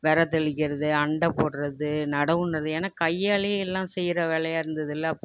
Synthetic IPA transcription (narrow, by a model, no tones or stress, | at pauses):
ʋɛɾɐt̪ɛɭɪkːɪɾɐðɯɐɳɖɐpːoːɽrɐðɯnɐɽɐʋɯnrɐðɯeːnaːkɐjːaːɭɐjɐɛlːãːsɛjːɪɾɐʋeːɭɐjaːɪɾɯnd̪ɐðɪlːɐːpː